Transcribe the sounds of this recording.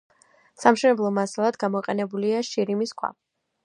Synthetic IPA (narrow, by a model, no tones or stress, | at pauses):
samʃɛnɛblˠɔmasalˠad̪ɡamɔiqʼɛnɛbuliaʃiɾimiskʰwa̰